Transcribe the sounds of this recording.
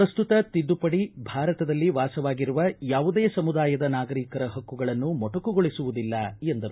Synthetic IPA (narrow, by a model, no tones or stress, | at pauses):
ɾɐst̪ut̪ɐt̪id̪ːupɐɽibʱaːɾɐt̪ɐd̪ɐlːiʋaːsɐʋaːɡiɾuʋɐjaːʋud̪eːsɐmud̪aːjɐd̪ɐnaːɡɐɾiːkɐɾɐɦɐkːuɡɐɭɐnːumɔʈɐkuɡoɭisuʋud̪ilːɐend̪ɐɾu